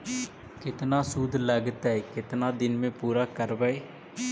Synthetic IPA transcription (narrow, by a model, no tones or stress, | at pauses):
kɪt̪naːsud̪ləɡt̪ɛekɪt̪nãːd̪ɪnmẽːpuːɾaːkəɾʋəeː